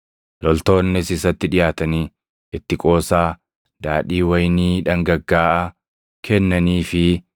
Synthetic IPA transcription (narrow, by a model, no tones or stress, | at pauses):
lɔlt̪o̞ːnːɪsɪsɐt̪ːɪᶑɪjaːt̪ɐniː | ɪt̪ːɪkʼo̞ːsaː | d̪aːᶑiːwɐjniːᶑɐŋɡɐɡːaːʔɐ | kʰɛnːɐniːfɪ